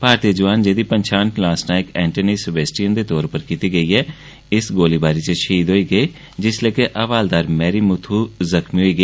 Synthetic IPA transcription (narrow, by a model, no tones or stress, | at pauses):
paːɾt̪iəd͡ʒəʋaːnd͡ʒeːd̪iːpəɲʃʰãːɳʈlãːsnãːɪkɛ̃ːɳʈəniːsɪbeːsʈijənd̪eːt̪ɔːɾpəɾkɪt̪iːɡəiːɛː | ɪsɡoːliːbaːɾiːt͡ʃəʃʰiːd̪ɦoːiːɡəeː | d͡ʒɪsleːkeʔəʋaːld̪aːɾmɛːɾiːmʊt̪ʰuːzəkmiːɦoːiːɡəː